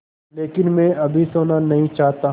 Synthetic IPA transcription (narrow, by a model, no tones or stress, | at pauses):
leːkɪnmɛ̃ɐbʱisoːnanɐɦĩt͡ʃaːɦt̪a